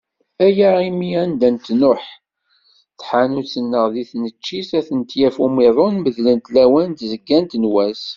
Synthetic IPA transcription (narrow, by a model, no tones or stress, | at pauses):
æjæʁimiænd̪ænt̪nʊħ | θħanut͡sːənːəʁðiθnət͡ʃːisæθənt̪jæfumiðˤonməðlənt̪læwænt̪zəɡːænt̪nwæs